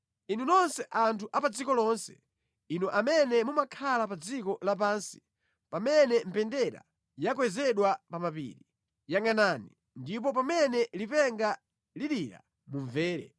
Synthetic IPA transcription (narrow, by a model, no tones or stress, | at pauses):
inunɔnsɛʔantʰuʔapad͡zikɔlɔnsɛ̥̰ | inɔʔamɛnɛmumakʰalapad͡zikɔlap̬aːnsi̥ | pamɛnɛm̩pɛndɛɾa̰ | jakwɛzɛɗwapamapḭːɾi | jaŋanani | ndip̬ɔpamɛnɛlipɛŋɡa | liɗiɾa̰ | muɱvɛːɾɛ̰